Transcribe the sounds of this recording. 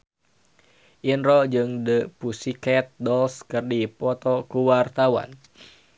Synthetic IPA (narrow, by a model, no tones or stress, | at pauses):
ʔinɾɔd͡ʒɨŋdəpusikɛt̪̚dɔlskɨrdipɔt̪ɔkuwart̪awa̰n